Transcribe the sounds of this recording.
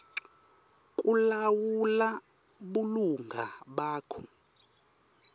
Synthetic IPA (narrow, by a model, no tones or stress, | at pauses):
kʼulawula | ɓuluŋɡʱa̰ɓaːkʰɔ